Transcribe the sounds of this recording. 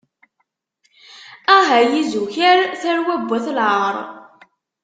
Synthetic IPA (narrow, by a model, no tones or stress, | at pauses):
æɦæjizuçæɾθæɾwæbʷːæθlʁəɾˤ